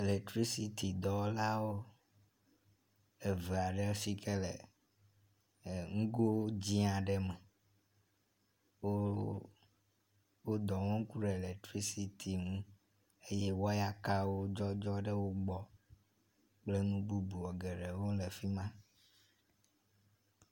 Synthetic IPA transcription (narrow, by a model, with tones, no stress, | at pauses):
e˨le˨k̚t̪ɾi˦si˨t̪i˨d̪ɔ˨˦la˦wo˦ | e˨ve˨a˨ɖɛ˦si˦kʰe˦lḛ˨ | ŋũ˦ɡo˦wo˦d͡ʑĩ˦ã˨ɖɛ˦mɛ˨ | wo˦ | wo˦d̪ɔ˨ŋɔ̃˦ŋ˦ku˦ɖɛ˨lɛ˨t̪ɾi˦si˨t̪ʰi˨ŋũ˦ | e˦je˦wo˦a˦ja˦ka˦wo˦d͡ʒɔ˦d͡ʒɔ˦ɖɛ˦wo˦ɡ͡bɔ˨ | k͡ple˦nũ˦bu˦bu˨wɔ˨ɡɛ˨ɖɛ˨wo˦le˨fi˦mã˦